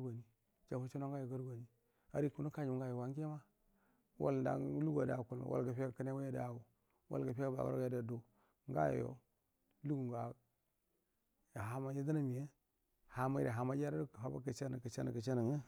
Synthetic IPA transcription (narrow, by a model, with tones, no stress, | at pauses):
ɡa˨ni˨ | d͡ʒa˨fu˦t͡ʃi˦no˦ŋɡa˦jo˨ɡa˦ɾɡa˨ni˦ | a˨ɾi˦ku˨nu˦ka˦d͡ʒɡa˦jo˨wa˨˦ŋ˦e˦ma˦ | wʔa̰˦lnda̰˨˦lu˦ɡa˨da˨ku˨lma̰˨wa̰˦˨lɡa˨pa˨ka˦n˦e˦wa˦ja˦da˨wu˨ | wa̰˦lɡa˨pɡa˨ba̰˨wa̰˦ɡja˨da˨do˨ | ŋ˦ɡa̰˦j̰jo̰˦ | lu˦ɡu˨ŋɡa˨ | ja˨ɦa˨ma˦ja˦da˦na˦mi˨je˦ | ha˨ma̰˦ɾḛ˨ɦa˨ma˦d͡ʒa˦ɾa˦˨ɦa˨ba̰˦ka˨t͡ʃa˦n˨ka˨t͡ʃa̰˦na̰˨ka˨t͡ʃa˦na˨ŋə˦